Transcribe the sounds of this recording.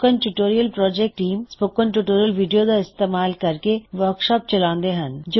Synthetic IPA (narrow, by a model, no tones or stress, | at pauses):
kənʈuʈoːɾijəlpɾɔːd͡ʒeːk̚ʈːiːmspoːkənʈuʈoːɾijəlʋiːɖijod̪aɪst̪eːmaːlkɐɾkeʋəɾkʃɔːp̚t͡ʃɐlãːnd̪eɦənd͡ʒo